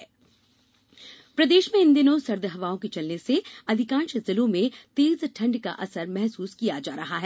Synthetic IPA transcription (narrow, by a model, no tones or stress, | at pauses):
pɾɐd̪eːʃmẽɪ̃nd̪ɪnõsɐɾd̪ɦɐʋaːõkit͡ʃɐlneseɐd̪ʱɪkãːnʃzɪlõmẽt̪eːzʈʰɐ̃ɳɖka̰ʔɐsəɾmɛɦsuːskijad͡ʒaːɾɐɦaɦɛː